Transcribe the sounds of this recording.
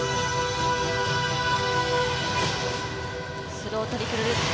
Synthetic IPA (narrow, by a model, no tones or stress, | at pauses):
sɨɾoːt̪aɾʲikeɾɯɾɯ